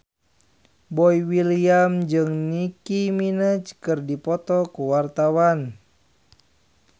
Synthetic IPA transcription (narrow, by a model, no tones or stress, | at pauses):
bɔiwiliamd͡ʒɨŋnikiminət͡ʃkɨrdipɔt̪ɔkuwart̪awan